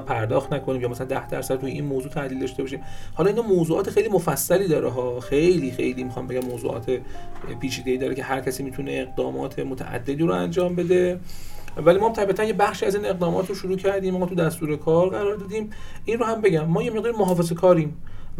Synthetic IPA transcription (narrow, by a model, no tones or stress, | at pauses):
pʰæɾd̪ɒːxt̪nækʰoniːmjɒːmæsælænd̪æhd̪æ̰ɾsæd̪̚t̪ujeinmoːzuːt̪ʰæʔliːld̪ɒʃt̪ebɒʃiːmhɒːlɒinɒːmoːzuːʔɒːt̪ʰexejliːmofæsːæliːd̪ɒːɾeɦɒːxejliːxḛjliːmixɒ̰ːmbe̞ɡʲæmːoːzṵʔɒ̰ːt̪ʰepʰiːt͡ʃʰiːd̪eiːd̪ɒːɾecʰe̞hæɾcʰæsiːmiːt̪ʰune̞ːɣd̪ɒːmɒ̰ːt̪ʰe̞mot̪ʰæ̰ʔæ̰d̪ːe̞d̪iːɾoæ̰nd͡ʒɒːmbe̞d̪e̞ | vælimɔːhæmt̪ʰæbiːæt̪ʰænjebæχʃiːæziːne̞ɣd̪ɒːmɒ̰ːt̪ʰɾoʃuɾuːcʰæɾd̪iːmɒɒt̪ʰud̪æst̪uːɾe̞kʰɒːɾɢæɾɒːɾd̪ɒːd̪iːm | inrohæmbe̞ɟæmːɒːjeme̞ʁ̚d̪ɒːɾimoɦɒːfezekʰɒːɾiːm